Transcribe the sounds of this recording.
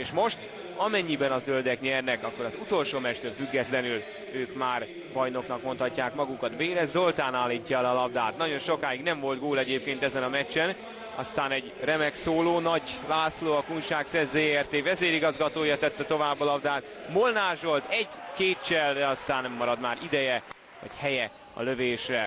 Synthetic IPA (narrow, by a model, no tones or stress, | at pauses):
eːʃmo̞ʃt̪ | ɒmɛɲːibɛnɒzøld̪ɛkɲɛrnɛkɒkːo̞ɾɒzut̪o̞lʃoːmɛt͡ʃt̪øfyɡːɛt̪lɛnyl | øːkmaːr | bɒjno̞knɒkmo̞nt̪hɒcːaːkmɒɡukɒd̪beːɾɛzo̞lt̪aːnaːlːiːcːɒɛlɒlɒbd̪aːt̪nɒɟo̞nʃo̞kaːjiɡnɛɱvo̞lt̪ɡoːlɛɟeːp̚keːnt̪ɛzɛnɒmɛt͡ʃːɛn | ɒ̰st̪aːnɛɟrɛmɛksoːloːnɒɟlaːsloːɒkunʃaːksɛzeːɛrt̪eːvɛzeːɾiɡɒzɡɒt̪oːjɒt̪ɛt̪ːɛt̪o̞vaːbːɒlɒbd̪aːt̪molnaːʒo̞lt̪ɛɟkeːt̪t͡ʃɛld̪ɛɒst̪aːnːɛmːɒɾɒd̪maːɾid̪ɛjɛ | ɒ̰chɛjɛ | ɒ̰løveːʃrɛ